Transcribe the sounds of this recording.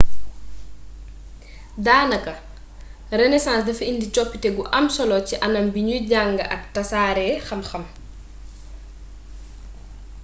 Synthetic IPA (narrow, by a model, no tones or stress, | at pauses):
daːnɐkɐ | rɛnɛsãːsdɐfindicɔpːitɛɡuʔɐmsɔlɔciʔɐnɐmbiɲuɟaŋɡɐʔɐk̚tɐsaːɾɛːxɐmxɐm